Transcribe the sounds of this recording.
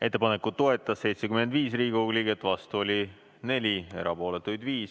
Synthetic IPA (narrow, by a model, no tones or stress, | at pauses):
e̞t̪ːe̞pɑne̞kut̪ːo̞et̪ːˑɑsːe̞jt̪sekyme̞nd̪viːsriːɡ̥uɡlʲiɡe̞t̪ːˑvɑst̪uo̞lʲi | ne̞lʲie̞̰ɾɑpo̞ːlet̪ːˑujd̪viːs